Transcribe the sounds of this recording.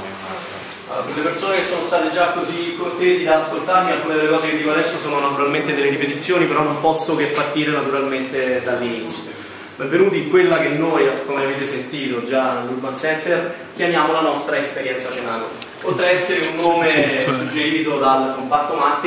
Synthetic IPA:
kelːepersoːnekesːoːnost̪aːt̪ed͡ʒakːozikːort̪eːzid̪ad̪askolt̪aɾmialkuned̪elekɔːzeked̪ikoad̪ɛsːjosoːnonat̪uɾalment̪ed̪elːeɾipet̪it̪sːjoːnipeɾɔnːompɔsːokepːart̪iːɾenat̪uɾalment̪ed̪alːinit̪sjo | bɛɱvenuːt̪iŋkwelːakenːoːjkomeaveːt̪esent̪iːt̪od͡ʒanelɡlupːansɛnt̪er | kjamjaːmolanɔst̪ɾaespeɾjɛnt̪sat͡ʃenaːlḛ | pot̪ɾeɛsːeɾeunːoːmesud͡ʒːeɾiːt̪od̪alkompat̪ːomat̪ːi

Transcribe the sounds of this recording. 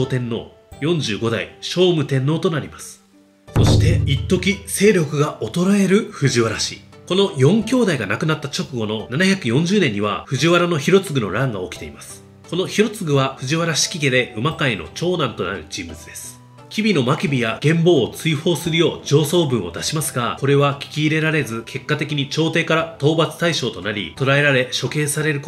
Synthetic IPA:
ot̪ẽ̞nːo̞̰ː | jõ̞ɲ̟d͡ʑɨːɡo̞d̪a̰iɕo̞ːmɯ̟t̪ẽ̞nːo̞ːt̪o̞naɾʲimasɨ̥ | so̞ɕi̥t̪e̞it̪ːo̞kʲise̞ːɾʲo̞kɯ̟ɡao̞t̪o̞ɾae̞ɾɯ̟ɸɯ̟ʑiβaɾaɕḭko̞no̞jõ̞ŋkʲo̞ːd̪aiɡanakɯ̟nat̪ːat͡ɕo̞kɯ̟ɡo̞nonanaçʲakɯ̟jõ̞ɲ̟d͡ʑɨːnẽ̞ɲ̟ːiβa̰ɸɯ̟ʑiβaɾano̞çiɾo̞t͡sɨɡɯ̟no̞̰ɾãŋɡao̞kʲi̥t̪e̞̰imasɨ̥ | ko̞no̞çiɾo̞t͡sɨɡɯ̟βaɸɯ̟ʑiβaɾaɕi̥kʲiɡe̞d̪e̞ɯ̟makaino̞̰t͡ɕo̞ːnãnt̪o̞na̰ɾɯ̟̰d͡ʑĩmbɯ̟t͡sɨd̪e̞sɨ̥ | kʲibʲino̞makʲibʲijaɡ̥ẽ̞mbo̞ːt͡sɨiho̞ːsɨɾɯ̟jo̞ːd͡ʑo̞ːso̞ːbɯ̟̃ɰ̃o̞̰d̪aɕimasɨɡako̞ɾe̞βakʲi̥kʲiːɾe̞ɾaɾe̞zɨkʰe̞kːat̪e̞kʲiɲ̟it͡ɕo̞ːt̪e̞ːkaɾat̪o̞ːbat͡sɨ̥t̪aiɕo̞ːt̪o̞naɾʲḭt̪o̞ɾae̞ɾaɾe̞ɕo̞ke̞ːsaɾe̞ɾɯ̟k

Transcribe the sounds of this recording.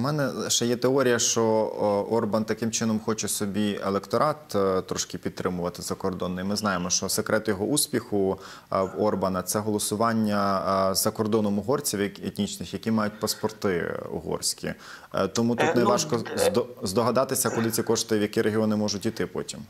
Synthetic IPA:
mɛnɛʃɛjɛt̪eɔɾʲijɐʃt͡ʃɔɔrbɐnt̪ɐkɪmt͡ʃɪnɔmxɔt͡ʃɛsɔbʲielˠekt̪ɔɾʔɑt̪t̪ːɾɔʃkɪpʲid̪̚t̪ɾɪmʊʋɐt̪ɪzɐkɔrd̪ɔnːɪjimɪznɑjemɔʃt͡ʃɔsekɾɛt̪jɔɦɔusʲpʲixʊ | ɔrbɐnɐt̪sɛɦɔlˠɔsʊʋɑnʲːɐzɐkɔrd̪ɔnɔmʊɦɔrt͡sʲiwet̪ʲnʲit͡ʃnɪxjɐkʲimɑjʊt̚ʲpɐspɔrt̪ɪ̰ṵɦɔ̰rsʲkʲḭ | t̪ɔmut̪ut̪nɛʋɑʃkɔd̪ɔzd̪ɔɦɐd̪ɑt̪ɪsʲɐkʊlˠɪt͡sʲikɔʂt̪ɪʋjɐkʲiɾeɦʲiɔnɪmɔʒʊtʲit̪ɪpɔ̰tʲim

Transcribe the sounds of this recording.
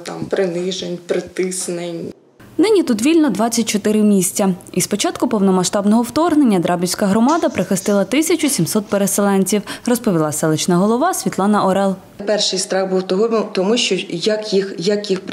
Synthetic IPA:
t̪ɑmpɾɪnɪʒenʲpɾɪt̪ɪsnenʲ | nɪnʲit̪ut̪ʋʲilʲnɔd̪ʋɑt͡sʲːɐt̚ʲt͡ʃɔt̪ɪɾɪmʲisʲt͡sʲɐispɔt͡ʃɑt̪kʊpɔwnɔmɐʃt̪ɑbnɔɦɔwt̪ɔrɦne̞nʲːɐd̪ɾɑbʲiwʲsʲkɐɦɾɔmɑd̪ɐpɾɪxɪst̪ɪlˠɐt̪ɪsʲɐt͡ʃʊsʲimsɔt̪̚peɾeselˠɛnʲt͡sʲiwrɔspɔʋʲilˠɑsɛlˠɪt͡ʃnɐɦɔlˠɔʋɑsʲʋʲit̪lˠɑnɐʔɔɾɛlˠ | pɛrʃɪjst̪ɾɑɣbuwt̪ɔɦɔt̪ɔmuʃt͡ʃɔjɐkjixjɐkjixp

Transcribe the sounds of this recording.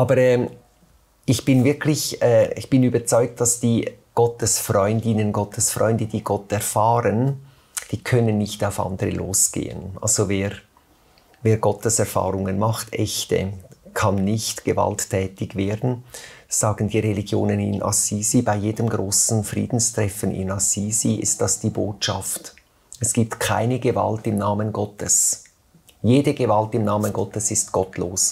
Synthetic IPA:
ʔɑːbəɾɛː | ɪçb̥ɪnvɪɐkʰlɪçɛːɪ̰çb̥ɪnyːbət͡sɔʏk̚t̚d̥ɑsd̥iːɡ̥ɔtəsfrɔʏndɪnənɡɔtʰəsfʁ̥ɔ̰ʏndəd̥iːɡ̥ɔtɛɐfaːɾən | d̥iːkʰœnənːɪçtaʊfʔɑ̰ndəɾəlʔo̰ːsɡ̥ḛːə̰nʔa̰lz̥oveːʁ | veːɐɡɔtəsɛʁfa̰ːɾʊŋənmɑχtʰɛçtə̰kʰɑnːɪçtɡ̥əva̰ltʰːɛːtɪçveːɐdn̩z̥aːɡ̥n̩diːʁeliɡjo̰ːnənɪ̰nʔa̰siːzibaɪjeːdəmɡʁoːsn̩fʁḭːdn̩stʁ̥ɛfənɪ̰nasiːziɪ̰st̚d̥ɑsd̥iːboːtʃɑft | ɛsɡ̥iːp̚tkʰa̰ɪnəɡəva̰ltɪmnaːmənɡɔtʰəs | jeːdəɡəvaltɪmnaːmənɡɔtəsɪstɡ̥ɔtloːs

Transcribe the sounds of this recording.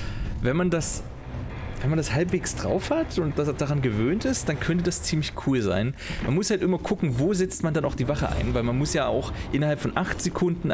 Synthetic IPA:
vɛnmandas | vɛnmandashalpv̥eːksd̥ʁa̰ʊfhatʰʊnt̚d̥asd̥aʁanɡəvøːntɪstd̥ankʰœntəd̥ast͡siːmlɪçkʰuːlza̰ɪnmanmʊshaltʔɪmɐkʰʊkŋ̩voːzɛt͡stmandanʔaʊxd̥iːvaχə̰ʔa̰ɪnvaɪlmanmʊsjaːa̰ʊxʔɪnɐhalpfɔnʔaχtz̥ekʰʊndn̩

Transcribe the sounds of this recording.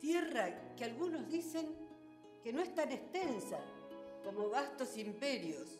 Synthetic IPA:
t̪jerakealɣuno̞zðise̞ŋ | keno̞est̪anest̪ensako̞mo̞βast̪o̞simpeɾjos

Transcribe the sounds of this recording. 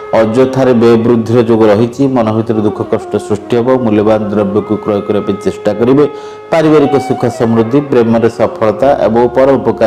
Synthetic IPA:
ɔd͡ʒot̪ʰaɾebebɾud̪ʱːiɾɔd͡ʒoɡɔɾɔɦit͡ʃʰimɔnɔbʱit̪ɔɾɔd̪ukʰɔkɔsʈɔsɾusʈiɦebɔmuljɔband̪ɾɔbjɔkukɾɔjɔkɔɾibapenit͡ʃesʈakɔɾibe | paɾibaɾikɔsukʰasɔmɾud̪ʱːipɾemɔɾesɔpʰɔɭɔt̪aʔḛbɔŋpɔɾɔupɔka

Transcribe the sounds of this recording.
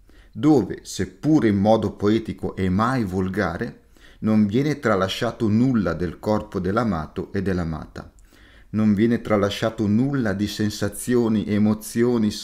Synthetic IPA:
d̪oːvḛsepːuːɾeimːɔːd̪opoɛːt̪ikoʔɛmːajvolɡaːɾe | noɱvjɛːnet̪ɾalaʃːaːt̪onulːad̪elkɔrpod̪elːama̰ːt̪oʔed̪ːelːama̰ːt̪a̰ | noɱvjɛːnet̪ɾalːaʃːaːt̪onulːad̪isensat̪sːjoːniʔemot̪sːjoːni

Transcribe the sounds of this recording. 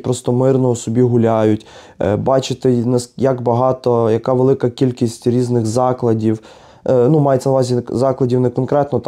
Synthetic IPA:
pɾɔst̪ɔmɪrnɔusɔbʲiɦʊlʲajʊtʲ | bɑt͡ʃɪt̪ɪnɛsjɐɡbɐɦɑt̪ɔjɐkɑʋelˠɪkɐkʲilʲkʲisʲtʲɾʲiznɪxzɑklˠɐdʲiw | numɑjet̪sʲɛnɐʋɑzʲizɑklˠɐdʲiwnɛkɔnkɾɛt̪nɔt̪

